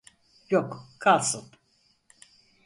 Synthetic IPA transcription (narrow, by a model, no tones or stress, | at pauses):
jokkʰalˠsɯn